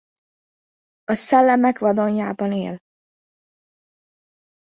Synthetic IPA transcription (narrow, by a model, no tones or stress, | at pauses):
ɒsɛlːɛmɛkʋɒd̪o̞ɲjaːbɒnḛːl